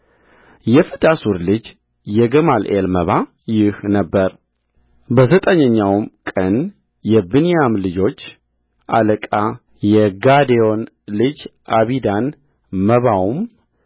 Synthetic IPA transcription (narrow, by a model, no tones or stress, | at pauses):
jɛfɨt̪ʼasuɾlɨd͡ʒ | jɛɡəmalʔelməβa | jɪhnəbːəɾ | bəzət̪ʼəɲːəɲːawmkʼən | jɛbɨnijamlɨd͡ʒo̞t͡ʃː | ʔa̰ləkʼa | jɛɡad̪eo̞n | lɨd͡ʒʔaβid̪an | məβawm